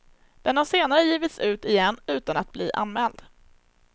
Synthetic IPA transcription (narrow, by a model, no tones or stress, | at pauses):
d̪̥ɛnhaseːnaɾəjiːvɪt̪sʉ̟ːt̪ɪjɛnːʉ̟ːt̪ana̰t̪̚blḭːʔa̰nmɛːld̪